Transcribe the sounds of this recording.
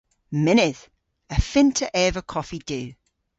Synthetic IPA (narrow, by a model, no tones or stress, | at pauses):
mɪnɪθ | əfɪ̃ntʰəʔɛːvəkʰɒfid̥ʉː